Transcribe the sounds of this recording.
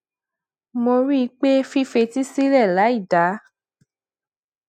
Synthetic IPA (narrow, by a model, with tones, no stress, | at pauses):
mo˧ɾi˦˧k͡pe˦fi˦fe˧ti˦si˦lɛ˦˨la˨˦i˦˨da˨˦